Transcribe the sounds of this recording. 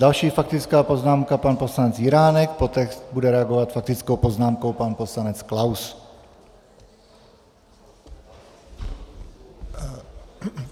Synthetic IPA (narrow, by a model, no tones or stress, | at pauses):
dalʃiːfak̚t̪ɪt͡skaːpo̞znaːmkapanposlanɛt͡sjɪɾaːnɛk̚pot̪ɛkst̪budɛɾɛaɡovat̪fak̚t̪ɪt͡skowpoznaːmkowpanpo̞slanɛt͡sklaws